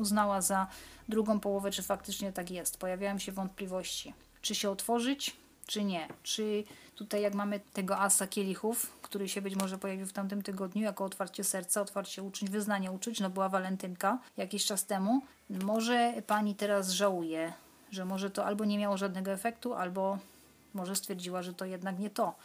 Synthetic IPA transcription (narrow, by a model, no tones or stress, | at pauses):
uznawazad̪ɾuɡɔ̃w̃pɔwɔvɛt͡ʂɘfak̚t̪ɘt͡ʂɲɛt̪akjɛst̪pɔjavʲjawɛmɕɛvɔnt̪̚plʲivɔɕt͡ɕi | t͡ʂɘɕɛɔt̪fɔʐɘt͡ɕ | t͡ʂɘɲɛt͡ʂɘt̪ut̪ajːakmamɘt̪ɛɡɔʔasakʲelʲixufkt̪uɾɘɕɛbɘt͡ɕmɔʐɛpɔjavʲiwft̪amt̪ɘmt̪ɘɡɔd̪ɲujakɔɔt̪faɾt͡ɕɛsɛɾt̪saɔt̪faɾt͡ɕɛut͡ʂuɲvɘznaɲɛut͡ʂut͡ɕnɔbɘwavalɛnt̪ɘnkajakʲiɕt͡ʂast̪ɛmu | mɔʐɛpaɲit̪ɛɾas̬ʐawujɛ | ʐɛmɔʐɛt̪ɔʔalbɔɲɛmʲjawɔʐad̪nɛɡɔɛfɛkt̪uʔa̰lbɔ | mɔʐɛst̪fʲjɛɾd͡ʑiwaʐɛt̪ɔjɛd̪nakɲɛt̪ɔ